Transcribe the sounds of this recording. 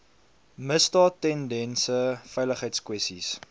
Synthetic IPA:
məstɑːtːɛndɛnsəfɛjləχəjtskwɛstis

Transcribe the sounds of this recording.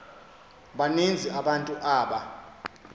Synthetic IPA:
ɓanend͡zʱiaɓantʼuʔaːɓa

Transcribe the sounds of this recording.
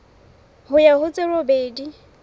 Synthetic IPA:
hʊjaɦʊt͡sʼɪrobeːdi

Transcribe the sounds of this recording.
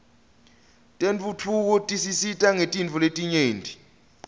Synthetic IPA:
tʼent͡fʼut͡fʰuk̬ɔtʼisisitʼaŋetʼint͡fuletʼiɲeːntʼi

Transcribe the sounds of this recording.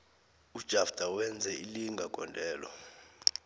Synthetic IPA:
ud̥ʒ̥ʱafd̥ʱawɛnd͡zʱɛiliŋɡʱaɡ̥ʱʼɔndʱɛːlɔ̰

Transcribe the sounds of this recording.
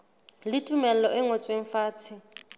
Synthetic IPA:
lɪtʼumɛl̩lɔʔɪŋot͡sʼweŋ̩faːt͡sʰɪ

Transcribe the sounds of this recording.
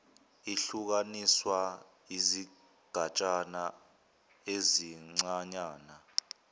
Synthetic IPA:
iɬuk̬aniswa | izi | ɡ̥ʱat͡ʃʼana | eziŋ͡ǀaɲaːna

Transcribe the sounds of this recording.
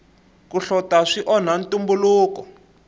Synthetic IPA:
kuɬɔtaʂiʔɔn̤antʼumbuluːkɔ

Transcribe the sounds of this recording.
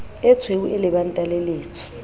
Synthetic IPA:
ɛt͡sʰwewuʔɛlɛɓantʼaleleːt͡sʰɔ̥

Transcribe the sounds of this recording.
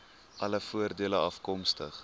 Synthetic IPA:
ʔɐləfuərdiələɐfkɔmstə̰χ

